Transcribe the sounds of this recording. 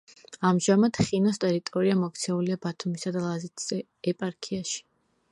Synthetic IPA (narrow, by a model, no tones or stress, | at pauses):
amʒamat̪χinɔst̪ʼɛɾit̪ʼɔɾiamɔk̚t̪sʰɛuliabat̪ʰumisad̪alˠazit̪ʰz̥ɛ | ɛpʼaɾkʰiaʃi̥